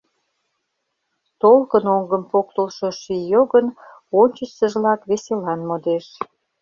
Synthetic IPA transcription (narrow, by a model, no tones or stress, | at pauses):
t̪olkənoŋɡəmpok̚t̪əlʃoʃijoɣən | onʲt͡ɕəsəʒlɑkβeselɑnmod̪eʃ